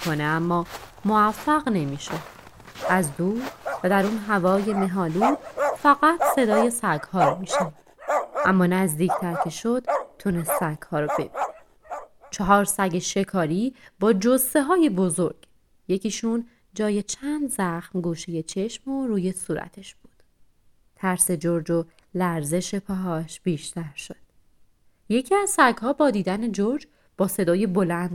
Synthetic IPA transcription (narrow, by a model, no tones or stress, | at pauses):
kʰoneæmːɒːmoæfːæɣne̞miːʃe | ʔæzd̪uːɾvæd̪æɾunɦævɒːje̞me̞ɦɒːlut̪fæɣæt̪ʰse̞d̪ɒːje̞sæɡhɒːɾɔmiːʃæd̪̥ʔæ̰mːɒːnæzd̪iːcʰt̪ʰæɾcʰe̞ʃod̪̥t̪ʰːunest̪sæɡ̥hɒːɾɔbe̞̰bine | t͡ʃʰɒɦɒːɾsæɡeʃe̞kʰɒːɾiːbɒːd͡ʒose̞ɦɒːje̞bo̞zoɾɡ̥ | je̞cʰiːʃuːn | d͡ʒɒːje̞t͡ʃʰænd̪zæxmɡuːʃeje̞t͡ʃʰe̞ʃmo̞ɾuːje̞suːɾæ̰t̪ʰe̞ʃb̥uːd̪̥ | t̪ʰæɾse̞d͡ʒoɾd͡ʒo̞ | læɾze̞ʃe̞pʰɒɦɒːʃb̥iːʃt̪ʰæɾʃo̞d̪̥ | je̞cʰiæzsæɡhɒːbɒːd̪iːd̪æne̞d͡ʒoɾd͡ʒ | b̥ɒːse̞d̪ɒːje̞bo̞lænd̪